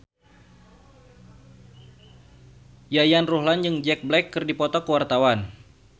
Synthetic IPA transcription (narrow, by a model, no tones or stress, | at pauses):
jajanruɦlanjɨŋd͡ʒɛk̚blɛkːɨrdipɔt̪ɔkəwart̪awan